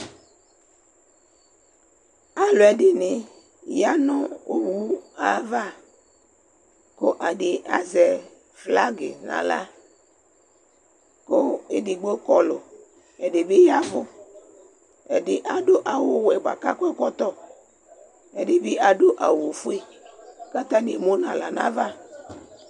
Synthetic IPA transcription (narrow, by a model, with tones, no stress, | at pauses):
a˨lo˨ɛ˨dɪ˦nɪ˨ | ja˦nɔ̃˦o˦wu˦a˨va˦˨ | ko˦ʔa˨dɪ˨a̰˨zɛ˨ | fla˦ɡɪ˨nã̰˨la̰˦ | ko˦e˦dɪ˨ɡ͡bo˦kɔ˦lo˨ | ɛ˨dɪ˨be˦ja˦vʊ˦ | ɛ̰˨dɪ˨ʔa˨dʊ˦ʔa˨wo˦wɛ˨ɡ͡ba̰˨ka̰˦kʷɛ˦kɔ˦t̪ɔ˦ | ɛ˨de˨bɪ˦ʔa˨ɖo˦ʔa˨wo˨fu˦e˦ka˦t̪a˦ne˨mo˦nã˨la˨nã̰˦va˦